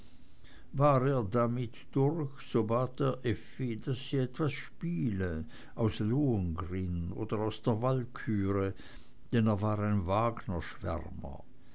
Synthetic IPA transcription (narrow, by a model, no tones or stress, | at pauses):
vaːʁeːɐdamɪtd̥ʊʁçz̥obaːteːɐʔɛfid̥asːiːɛtv̥asʃpiːlə | ʔaʊsloːənɡʁɪno̰ːdəʁaʊsd̥eːɐvalkʰyːʁə | d̥ɛneːɐvaːʁaɪnvaːɡnɐʃv̥ɛ̰ʁmɐ̰